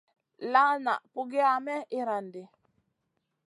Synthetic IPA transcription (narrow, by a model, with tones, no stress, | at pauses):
la˦na̰˨pu˨ɡe˦a˨mɛ˦i˦ɾa˨ndi˨